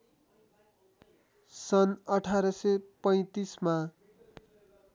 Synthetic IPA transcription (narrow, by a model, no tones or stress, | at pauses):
sʌnʌʈʰaɾʌsʌpʌj̃t̪isma